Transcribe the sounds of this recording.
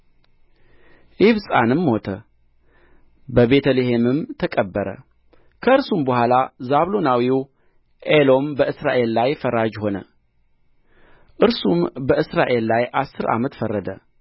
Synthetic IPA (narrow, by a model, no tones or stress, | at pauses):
ʔiβsʼa̰nɨmho̞t̪ʰə | bəβe̞t̪ʰəleɦe̞mɨmt̪ʰəkʼəbːəɾə̰ | kʰəɨɾsumbəhʷalazaβlo̞nawiw | ʔelo̞mbəʔɨsɾa̰ʔe̞lːajfəɾad͡ʒho̞nə̰ | ʔɨɾsumbəʔɨsɾaʔe̞lːajʔasːɨɾʔa̰mət̪fərːəd̪ə